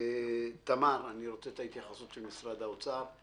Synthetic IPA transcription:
t̪amaɾaniɾot͡set̪ait̪jaχasut̪ʃelmisɾad̪aot͡saɾ

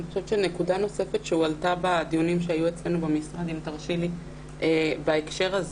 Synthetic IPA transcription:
niχoʃevt͡ʃenekudano̞se̞fetʃeualtabad̪ijunimʃeajuet͡sle̞nubemisʁad̪imt̪aʁʃili | ʔebaekʃe̞ʁaz

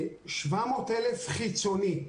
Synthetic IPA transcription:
ʃvamoːt̪elefχit͡soni

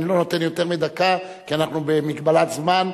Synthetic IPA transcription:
nilo̞not̪e̞njo̞t̪eʁmid̪aka | kianaχnubemiɡbalat̪zman

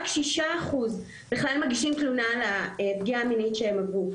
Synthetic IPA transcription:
kʃiʃaːχuz | biχlalmaɡiʃimt̪lunalaepɡiaːminitʃeemaɡu

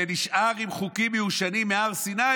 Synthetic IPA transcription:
eniʃʔaʁimχukimeuʃanimːeaʁsina

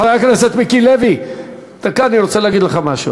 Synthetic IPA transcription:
ajakneset̪mikilevi | t̪akaaniɾot͡seleaɡid̪leχamaʃṵ

